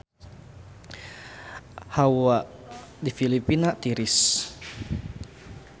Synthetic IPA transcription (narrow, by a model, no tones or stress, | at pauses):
hawaʔ | difilipinat̪iɾɪs